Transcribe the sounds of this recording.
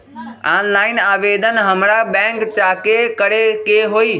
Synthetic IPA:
aːnlaːɪnaːʋeːd̪ənɦɐmɽaɓɛ̃ːŋkt͡ɕaːkekəɽekeːɦoːiː

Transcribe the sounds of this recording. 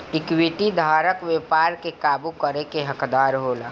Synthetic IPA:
ɪkwiʈid̪ʱaːɾəkʋjeːpaːɾkekaːbukəɾekeɦəkd̪aːɾɦoːlaː

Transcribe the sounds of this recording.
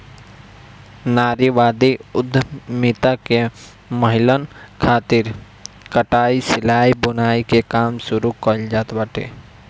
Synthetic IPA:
naːɾiʋaːd̪iʊd̪ʱːmɪt̪ake | məɦɪlənkʰaːt̪ɪɾ | kəʈaːisɪlaːibʊnaːikekaːmsʊɾukəld͡ʒaːt̪bəʈḛː

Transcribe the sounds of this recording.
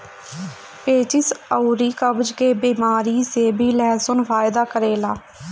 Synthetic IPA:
peːt͡ʃɪsəuɾiːkəbd͡ʒkeːbiːmaːɾiːseːbʱiːlɛːsʊnfʰaːɪd̪aːkəɾeːlaː

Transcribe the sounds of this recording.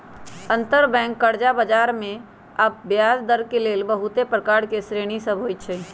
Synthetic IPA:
ə̃nt̪əɾbɛ̃ːŋkːəɾd͡ʒabəd͡ʒaːɾmẽ | ɐb̚ːjaːzd̪əɾkeleːlbəɦʊt̪epɾəkaːɾkesɾeːɽ̃isəbʱoːit͡ʃʰɛː

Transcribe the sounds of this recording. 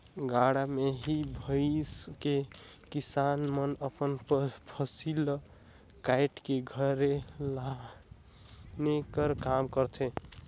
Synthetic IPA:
ɡaɽameɦibʱəɪske | kisanmənəpənpʰəsil | kajʈkeɡʱəɾela | nekəɾkamkəɾt̪ʰe

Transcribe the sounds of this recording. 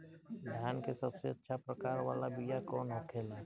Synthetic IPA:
d̪ʱjaːnkesəbseətːʃʰapɾəkaːɾʋa̰ːlabijakɔːnɦəkʰeːlɛː

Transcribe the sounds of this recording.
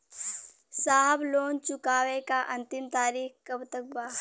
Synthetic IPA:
saːɦbloːnt͡ʃʊkaːʋekaʔɐ̃nt̪ɪmt̪aːɾiːxkəbt̪ək̚baː

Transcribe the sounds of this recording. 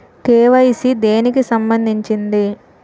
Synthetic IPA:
t̪eːʋɐjisid̪e̞ːnikisɐmbɐnd̪ʱiɲt͡ʃind̪i

